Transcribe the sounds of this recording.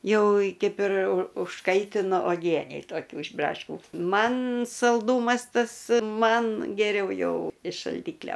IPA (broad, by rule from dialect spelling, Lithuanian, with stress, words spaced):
ˈjɛʊ ˈkɐɪp ɪr ʊ ʊʃˈkɐɪtʲɪnʊ oːˈɡʲiɛnʲɛɪ toːˈkʲuː ɪʃ ˈbrɑːʃʲkʲuː ˈmɐn sɐlˠˈduːmɐs ˈtɐs ˈmɐn ɡʲɛˈrʲɛʊ ˈjɛʊ ɪʃ ʃɐlʲˈdʲiːklʲoː